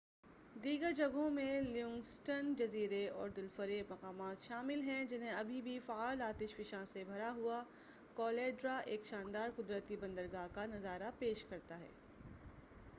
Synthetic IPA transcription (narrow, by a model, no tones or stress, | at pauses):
d̪iːɡəɾd͡ʒɐɡõmẽljʊ̃ŋɡsʈənd͡ʒɐziːɾeɔːɾd̪ɪlfəɾeːmɐqaːmaːt̪ʃaːmɪlɦɛ̃d͡ʒɪnɦẽɐbʱibʱifaaːlaːt̪ɪʃfɪʃãsebʱɐɾaɦua | kɔːleːɖɾaʔeːkʃaːnd̪aːɾqʊd̪ɾət̪ibɐ̃nd̪əɾɡaːɦkanɐzaːɾapeːʃkɐɾt̪aɦɛ̰ː